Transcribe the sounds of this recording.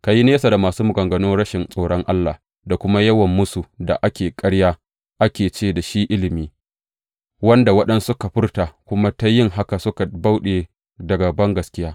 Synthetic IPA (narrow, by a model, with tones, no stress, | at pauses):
ka˨ji˦neː˦sa˨da˨maː˨suː˦mʊ˨ɡɐ˨ŋɡɐ˨noː˦ɽɐ˦ʃɪ˨nsʼoː˨ɽɔ˦ŋʔa˦lːa̰˨ | da˨kʷʊ˦ma˦jɐ˦wɐ˨mːʊ˦su˨da̰˨ʔa˦kʲeː˨kʼɐ˦ɽjaː˦ | ʔa˦kʲeː˨t͡ʃeː˦da˨ʃi˦ʔɪ˦lɪ˨miː˦ | wɐ˦nda˨wɐ˦ɗɐ˦nsʊ˦ka˨ɸɪ˦rta˨kʷʊ˦ma˦ta˦jɪ˦ŋɦa˦ka˨sʊ˦ka˨ba˦wɗeː˨ | dɐ˨ɡa˨bɐ˦ŋɡɐ˨skʲɪ˦jaː˦